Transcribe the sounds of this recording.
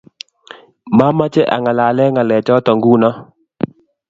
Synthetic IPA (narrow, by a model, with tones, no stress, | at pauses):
ma˦ma˦t͡ʃɛ˦ʔa̰˨ŋa˨la˨lɛ˦ŋa˨lɛ˨t͡ʃɔ˦tɔ˨ŋɡu˦nɔ˦